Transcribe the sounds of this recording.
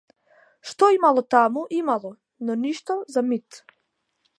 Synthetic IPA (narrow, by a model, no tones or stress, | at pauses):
ʃt̪oimalˠot̪amuʔimalˠo | noniʃt̪azamit̪